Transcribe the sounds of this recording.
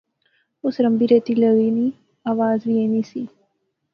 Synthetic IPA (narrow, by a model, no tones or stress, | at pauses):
ʊsɾɐmbiɾet̪iləɣini | aːʋaːzʋienisi